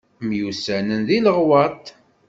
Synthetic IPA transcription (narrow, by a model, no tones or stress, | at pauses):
mjusænənðiləʁwɑt̪ˤ